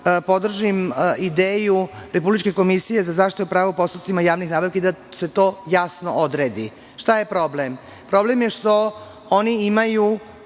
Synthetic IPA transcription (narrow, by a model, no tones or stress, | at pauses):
po̞d̪r̩ʒimid̪eːjuɾe̞publit͡ʃke̞ko̞misije̞zazaːʃt̪it̪upɾaːʋopo̞st̪up̪simajaːʋnixnaːbaʋkeid̪ase̞t̪o̞ːjasno̰ʔod̪ɾeːd̪i | ʃt̪aje̞pɾo̞blem | pɾo̞blemje̞ʂt̪o̞ | oniimaju